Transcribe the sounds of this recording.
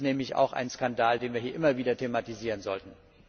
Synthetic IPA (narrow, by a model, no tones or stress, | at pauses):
nɛːmɪça̰ʊxʔa̰ɪnskandaːldeːnviːɐɦiːɐʔɪmɐviːdɐtʰematiziːʁənzɔ̰ltn̩